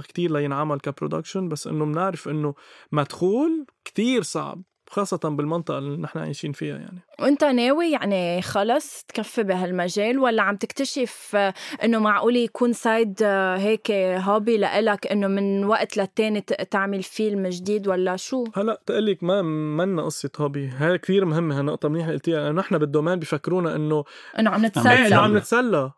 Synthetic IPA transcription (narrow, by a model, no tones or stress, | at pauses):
kt̪iːɾlajɪnʕamalkapɾo̰d̪a̰kʃənbasːʔɪ̰nːomnɪʕɾɪfʔɪnːomad̪xuːlkt̪iːɾsˤɑ̰ʕ̰b̚ | xɑːsˤːɑt̪abɪlmɑnt̪ˤɑʔɑnɪħna̰ʕa̰ːʃiːnfɪja̰ja̰ʕniʔɪnt̪aneːwijaʕnixɑlɑsˤt̪kafːɪbiɦalmaʒeːlwalːaʕamt̪ɪkt̪aʃɪfʔɪnːomaʕʔuːlijakʰuːnsaːjd̪ɦeːkeɦɑːbilaʔɪlakʔɪnːomɪnwaʔt̪lat̪ːeːnit̪aʕmɪlfiːlmɪʒd̪iːd̪walːaʃuːhalːaʔt̪ʔɪlːikmamanːaʔɑsˤːɨt̪ˤhɑbiɦad̪akt̪iːɾmhɪmːeɦanɨʔt̪ˤɑmniːħlʔɪlt̪ɪjaʔanːoʔɪħnabɪd̪ːomeːnbifakːɾuːnaʔɪnːo | ʔanːaʕamnɪt̪salːʕamnɪt̪salːa